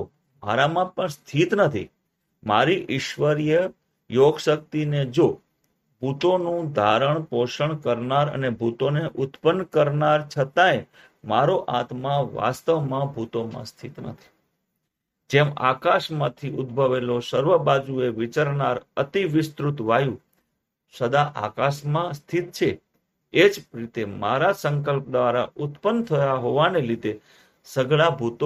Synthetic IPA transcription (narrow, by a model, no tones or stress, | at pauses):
o | ma̰ɾamãpəɳst̪ʰit̪nət̪ʰḭ | maɾiʔɪʃʋəɾijə | joɡʃək̚t̪ined͡ʒo | bʱut̪onũd̪ʱaɾəɳpoʃəɳkəɾnaɾə̰nebʱut̪oneʔʊt̪pənːkəɾnaɾt͡ʃʰət̪ae | maɾoʔat̪maʋa̰st̪əʋmãbʱut̪omã̰st̪ʰit̪nə̰t̪ʰi̥ | d͡ʒema̰kaʃmãt̪ʰiʔʊd̪bʱəʋelosəɾʋəbad͡ʒueʋit͡ʃaɾnaɾət̪iʋɪst̪ɾut̪ʋajũ | səd̪aʔa̰kaʃmãst̪ʰit̪̚t͡ʃʰe | ed͡ʒɾit̪emaɾasəŋk̬əlp̚d̪ʋaɾaʔʊt̪pənt̪ʰəjaɦoʋanelid̪e | səɡɭabʱut̪o